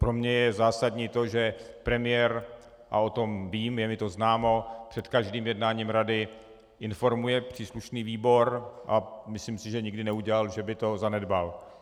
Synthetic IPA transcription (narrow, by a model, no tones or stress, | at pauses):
pɾo̞mɲɛjɛzaːsadɲiːt̪o̞ʒɛ | pɾɛmɪjɛɾ | ʔa̰ot̪o̞mviːmjɛmɪt̪o̞znaːmo̞pr̝̥ɛt̪kaʒdiːmjɛdnaːɲiːmɾadɪ | ʔɪnfo̞ɾmujɛpr̥iːsluʃniːviːbo̞ɾʔamɪsliːmsɪʒɛɲɪɡdɪnɛuɟɛlalʒɛbɪt̪o̞zanɛdbal